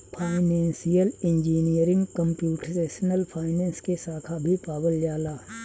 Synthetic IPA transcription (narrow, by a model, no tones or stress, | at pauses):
pʰaːɪnɛ̃ːnsijəlɪ̃nd͡ʒiːnijəɾɪ̃ŋɡkə̃mpjuːʈəɾeːʃənəlpʰaːɪnɛ̃ːnskesaːkʰabʱipaːbəljaːlaː